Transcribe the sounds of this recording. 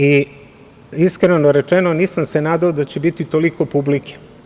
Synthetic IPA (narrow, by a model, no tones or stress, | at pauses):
i | iskɾenoɾet͡ʃenoniːsamse̞naːd̪aod̪at͡ɕebit̪it̪o̞liko̞publike̥